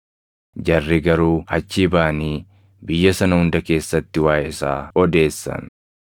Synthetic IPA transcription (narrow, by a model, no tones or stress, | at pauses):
d͡ʒɐrːɪɡɐɾuːhɐt͡ʃːiːbaːniː | bɪjːɐsɐnɐhʊnd̪ɐke̞ːsːɐt̪ːɪwaːjɪsa̰ːɔd̪e̞ːsːɐ̰n